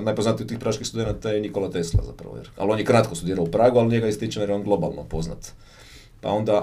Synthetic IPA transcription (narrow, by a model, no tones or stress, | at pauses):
najpo̞znat̪iot̪ːiːxpɾaːʃkixst̪ud̪e̞nat̪ajeniko̞lat̪eslˠa̰za̰pɾa̰ʋojḛɾa̰lo̞njekɾat̪kost̪ud̪iːɾaoupɾaːɡualnijeɡaist̪it͡ʃanjeɾjeonɡlˠo̞ba̰lˠno̰po̞zna̰t̪ | pa̰o̞nd̪a